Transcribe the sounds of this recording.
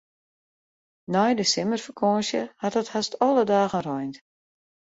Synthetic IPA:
nɔjdəsɪmərfəkʰɔːnsjəhatəthastɔlˠədaːɣənrɔjnt

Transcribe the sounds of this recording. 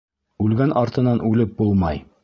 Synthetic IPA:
ʉlɡænʔɑɾt̪ɤ̆nɑnʉlɘp̚bulˠmɑj

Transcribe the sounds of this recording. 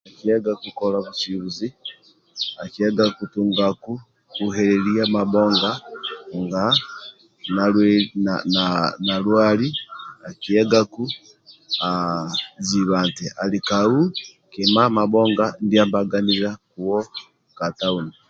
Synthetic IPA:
akiɛɡakukɔlaβusiβuzi | akiɛɡakutuŋɡaku | kuɦɛɾɛliamaɓɔŋɡaŋɡa | naɛnananalwaliakiɛɡaku | aziβaːntɛalikau | kimamaɓɔŋɡandiambaɡaniɾakuwɔ | katauni

